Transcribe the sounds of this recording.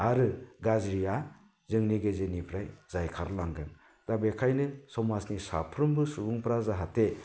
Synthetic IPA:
aɾɯɡazɾija | zɯŋniɡezenipʰɾajz̥ajkʰaɾlaŋɡɯn | d̥abekʰajnɯsɔmasnisa̰pʰɾɯmbɯsubuŋpʰɾazaɦatʰe

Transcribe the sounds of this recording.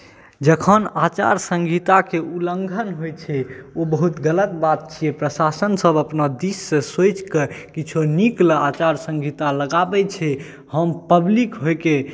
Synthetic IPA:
d͡ʒəkʰənat͡ʃa̰ɾsə̃ŋɡʱit̪akeuləŋɡʱənɦojt͡ʃʰɛobəɦut̪ɡələt̪bat̪̚t͡ʃʰiepɾəsasənsəbəpnad̪isːẽsot͡ʃkekit͡ʃʰoniklat͡ʃaɾsə̃ŋɡʱit̪aləɡabɛt͡ʃʰɛ | həmpəblikɦojke

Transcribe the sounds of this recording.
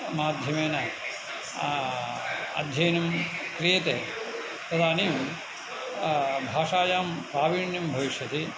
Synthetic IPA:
maːd̪ʱjɐmeːnɐ | ɐ̰d̪ʱjɐjnɐmkɾijɐt̪eː | pɾɐd̪ʱaːnijɐm | bʱaːʂaːjaːmpaːʋiːɳjɐmbʱɐʋiʃjɐt̪i

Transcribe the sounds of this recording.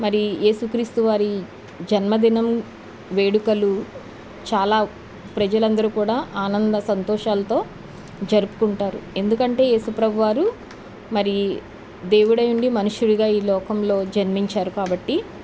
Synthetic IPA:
mɐɾije̞ːsukɾiːst̪uʋaːɾi | d͡ʒɐnmɐd̪inɐm | ʋe̞ːɽukɐlu | t͡ʃaːlaː | pɾɐd͡ʒɐlɐnd̪ɐɾukuːɽaːʔaːnɐnd̪ɐsɐnt̪ɔːʃaːlɐt̪o̞ː | d͡ʒɐɾupu̥kuɳʈaːɾṵe̞nd̪ukɐɳʈe̞ːje̞ːsupɾɐbʱuʋaːɾu | mɐɾi | d̪e̞ːwuɽɐjuɳɖimɐnuʂuɽiɡaːiːlɔːkɐmlo̞ːd͡ʒɐnmiɲt͡ʃaːɾukaːbɐʈːi

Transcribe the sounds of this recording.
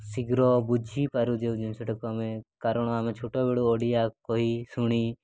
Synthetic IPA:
siɡɾɔbud͡ʒʱipaɾud͡ʒewd͡ʒinsɔʈɔkɔmɛ̃kaɾɔɽ̃ɔamɛt͡ʃʰuʈɔbeɽuɔɽijakɔɦisuɽ̃i

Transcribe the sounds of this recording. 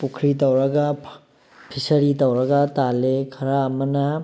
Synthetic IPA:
pukʰɾit̪ɐwɾɐɡa | pʰisɐɾit̪ɐwɾɐɡat̪alekʰɐɾaːmɐna

